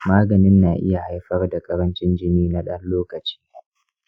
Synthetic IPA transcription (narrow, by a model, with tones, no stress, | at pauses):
maː˦ɡɐ˨nɪ˦nːaː˨ʔɪ̰˦ja˨ha˦jɸɐ˦rda˨kʼɐ˦ɾɐ˦nt͡ʃɪ˦nd͡ʒɪ˦niː˦na˦ɗɐ˦nloː˦kɐ˨t͡ʃi̥ː˦